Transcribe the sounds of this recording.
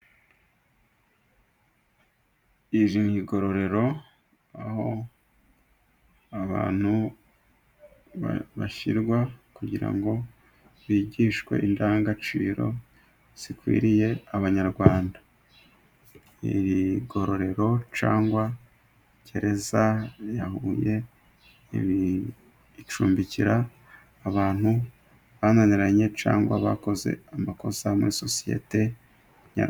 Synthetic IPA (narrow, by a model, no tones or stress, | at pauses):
iʒiɲhiɡo̞ɾo̞ɾe̞ɾo̞ | aho̞ | aβa̰ːn̥hu | βa̰βaçḭɾɡwakuɟiɾa̰ŋɡo̞ | βiːɟiːʃkwe̞̰ʔindaːŋɡat͡ʃḭːɾo̞ | z̥ikwḭːɾije̞aβaɲaɾɡwaːnda | ḭβiɡo̞ɾoɾe̞ɾo̞t͡ʃaːŋɡwa | ɟe̞ɾe̞zajahuːje̞ | β | t͡ʃuːmbiciɾaː | βaːn̥hu | βananiɾaɲe̞t͡ʃa̰ːŋɡwa̰βa̰ko̞ze̞̰amako̞zamuɾiso̞sije̞̰te̞ | ɲa̰